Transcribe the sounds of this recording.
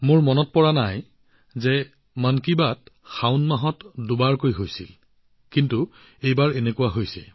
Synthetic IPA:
mʊɹmɔnɔt̚pɔɹanaj | zɛ | mankibatxawnmaɦɔtdʊbaɹkojɦojsil | kintu | ejbaɹɛnekuwaɦojsɛ̰

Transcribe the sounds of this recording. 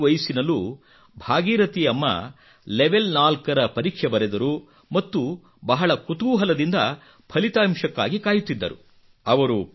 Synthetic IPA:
ʋɐjsinɐlu | bʱaːɡiːɾɐt̪ijɐmːɐ̰ | leʋelnaːlkɐɾɐpɐɾiːkʂɐbɐɾɛd̪ɐɾu | mɐt̪ːu | bɐɦɐɭɐkut̪uːɦɐlɐd̪ind̪ɐ | pʰɐlit̪aːmʂɐkːa̰ːɡikaːjut̪ːid̪ːɐ̰ɾṵ | ɐʋɐɾu

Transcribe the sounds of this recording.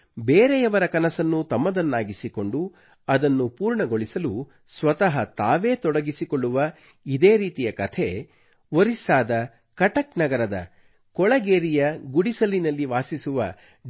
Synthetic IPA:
beːɾɛjɐʋɐɾɐkɐnɐsɐnːut̪ɐmːɐd̪ɐnːaːɡisiko̞ɳɖu | ɐd̪ɐnːupuːɾɳɐɡoɭisɐlu | sʋɐt̪ɐɦɐt̪aːʋe̞ːt̪ɔɽɐɡisikoɭːuʋɐ | id̪e̞ːɾiːt̪ijɐkɐt̪ʰe̞ | ʋoɾisaːd̪ɐ | kɐʈɐknɐɡɐɾɐd̪ɐ̰ | kɔɭɐɡeːɾijɐɡuɽisɐlinɐlːiʋaːsisuʋɐ̰

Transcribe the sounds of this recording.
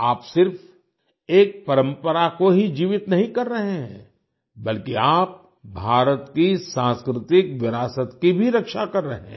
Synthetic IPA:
aːpsɪɾf | eːk̚pɐɾə̃mpəɾakoɦid͡ʒiːʋɪt̪nɐɦĩkɐɾːɐɦeɦɛ̰̃ | bɐlkiaːp̚ | bʱaːɾət̪kisãːnskɾɪt̪ɪkʋɪɾaːsət̪kibʱiɾɐkʃakɐɾːɐɦḛ̃

